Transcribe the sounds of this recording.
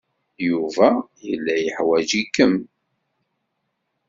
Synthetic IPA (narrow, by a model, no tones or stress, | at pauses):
juvæjəlːæjəħwæd͡ʒikːəm